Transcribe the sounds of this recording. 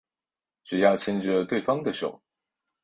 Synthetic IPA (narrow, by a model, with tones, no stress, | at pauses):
ʈ͡ʂɻ̩˨˩jɑ˥˩ʊt͡ɕʰi˥nʈ͡ʂə˧t̪we˥˩ɪfɑ˥ŋd̪ə˨ʂo˨˩ʊ